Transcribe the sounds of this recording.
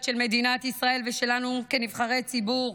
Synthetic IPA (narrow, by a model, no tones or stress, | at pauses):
tʃe̞lme̞d̪inat̪isʁae̞lveʃe̞lanukenivχaʁe̞jt͡sibuʁ